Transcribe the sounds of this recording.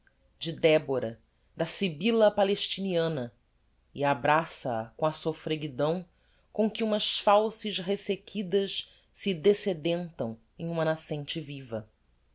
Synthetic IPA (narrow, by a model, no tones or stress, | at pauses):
d͡ʒɪd̪ɛboɾɐ | d̪ɐsibilɐpaleʃt͡ʃiniɐ̃nɐ | iabɾasɐɐ̰kõɐsofɾeɡid̪ɐ̃w̃ | kõkɪũmɐʃfawsɪʃɦesekʰid̪ɐʃ | sɪd̪esed̪ẽnt̪ɐ̃w̃ | ẽj̃ũmɐnasẽnt͡ʃɪvivɐ